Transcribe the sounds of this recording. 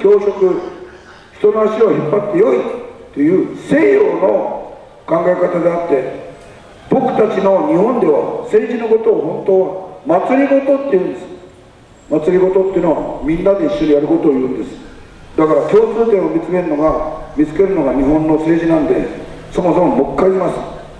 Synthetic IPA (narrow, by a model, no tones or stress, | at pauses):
kʲo̞ːɕo̞kɯ̟ | çi̥t̪o̞noaɕiβaçipːat̪ːe̞jo̞it̪ːe̞jɯ̟ːse̞ːjo̞ːno̞ | kãŋɡaekat̪ad̪e̞at̪ːe̞ | b̥o̞kɯ̟̥t̪at͡ɕino̞ɲ̟ihõ̞nd̪e̞βa̰se̞ːd͡ʑino̞ko̞t̪o̞ːɦõ̞nt̪oːβamat͡sɨɾʲiɡo̞t̪o̞t̪ːe̞jɯ̟̃nd̪esɨ̥ | mat͡sɨɾʲiɡo̞t̪o̞t̪ːejɯ̟noβamʲĩnːad̪e̞iɕːo̞ɲ̟ijaɾɯ̟ko̞t̪oːjɯ̟̃ːnd̪e̞sɨ̥ | d̪akaɾakʲo̞ːt͡sɨːt̪ẽomʲit͡sɨ̥ke̞ɾɯ̟no̞ɡamʲit͡sɨ̥ke̞ɾɯ̟no̞ɡaɲ̟iɦõ̞nːo̞se̞ːʑinãnd̪e̞ | so̞mo̞so̞momokːaiɾʲimasɨ̥